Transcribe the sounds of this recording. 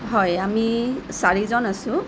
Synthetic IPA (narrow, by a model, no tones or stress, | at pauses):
ɦɔjamisaɹizɔnasʊ̃